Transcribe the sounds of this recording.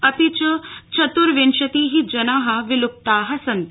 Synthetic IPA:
ɐt̪it͡ɕɐt͡ʃɐt̪uɾʋenʃɐt̪iːɦid͡ʒɐnaːɦɐʋilup̚t̪aːɦɐsɐnt̪

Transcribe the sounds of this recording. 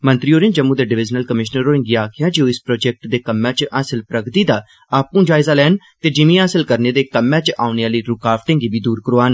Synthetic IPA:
mə̃nt̪ɾiːoːɾɪ̃ːd͡ʒəmũːd̪eːɖɪʋɪd͡ʒnəlkəmɪʃnəɾoːɾɪ̃ŋɡiaːkʰɪjaːd͡ʒeõːɪspɾoːd͡ʒɛːk̚ʈd̪eːkəmːãːt͡ʃʔaːsɪlpɾəɡt̪iːd̪aː | aːpũːd͡ʒaːɪzaːlɛːn | t̪eːd͡ʒɪmĩːaːsɪlkəɾneːd̪eːkəmːãːt͡ʃʔaːʊneːaːliːɾʊkaːfʈɪ̃ːŋɡiːʋiːd̪uːɾkəɾoːaːn

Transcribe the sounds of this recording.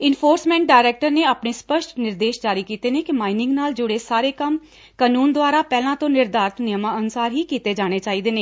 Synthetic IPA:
ɪnpʰoːɾsmɛ̃ːɳʈ̚ɖaːɪɾɛːk̚ʈəɾneːaːpneːspəʃʈnɪɾd̪eːʃd͡ʒaːɾiːkiːt̪eːneːkɪmaːinɪ̃ŋɡnaːld͡ʒʊɽeːsaːɾeːkəm | kaːnuːnd̪ʊaːɾaːpɛːlãːt̪õːnɪɾd̪aːɾt̪nɪjəmãːənʊsaːɾɦiːkiːt̪eːd͡ʒaːɽ̃eːt͡ʃaːiːd̪eːneː

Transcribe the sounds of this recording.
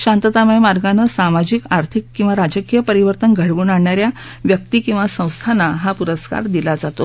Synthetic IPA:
ɕãnt̪ət̪amjmaɾɡanəsamad͡ʑikaɾt̪ʰikːĩw̃ʋaɾad͡zəkijəpəɾiʋəɾt̪ənɡʱəɽʋuːnaɳɳjaɾjaʋjək̚t̪iːkĩw̃ʋasə̃w̃st̪ʰanaɦapuɾəska̰ɾd̪ilad͡zat̪o

